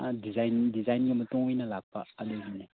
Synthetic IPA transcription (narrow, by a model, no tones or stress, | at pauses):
ad̪izajnd̪izajniamat̪uŋwenəlapə̰aleɦinə